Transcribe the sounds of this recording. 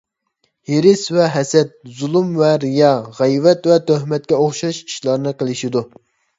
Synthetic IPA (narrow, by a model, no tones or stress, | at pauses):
heɾɪsvɛɦɛsɛt̪̚zulˠumvɛɾijɑʁɛjvɛt̪vɛt̪øhmɛt̪̚kʲɛoχʃɑʃiʃlˠɑɾɨnɨqəlˠɪʃid̪u